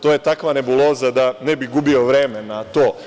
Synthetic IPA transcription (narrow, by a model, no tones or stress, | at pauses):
t̪oje̞t̪akʋane̞bulˠo̞ːzad̪anebiɡubio̞ʋɾemenat̪oː